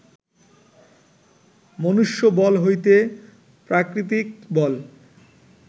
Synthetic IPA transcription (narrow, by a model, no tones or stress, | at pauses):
monuʃːobɔlɦojt̪e | pɾakɾit̪ik̚bɔl